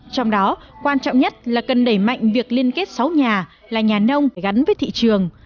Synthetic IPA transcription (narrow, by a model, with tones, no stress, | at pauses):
t͡ɕɔ˧wŋ͡mɗɔ˨˦ | kwaː˧nt͡ɕɔ̰˧˨wŋ͡mɲə˦˥t̚laː˨˩kə˨˩nɗə˧˩jma̰˧˨jŋ̟vi˨˩ək̚li˧ənke˦˥t̚sa˨˦wɲaː˨˩ | laː˨˩ɲaː˨˩nə˧wŋ͡mfaː˩ɣa˨˦nvəː˨˦t̪ʰḭ˧˨t͡ɕɨ˨˩əŋ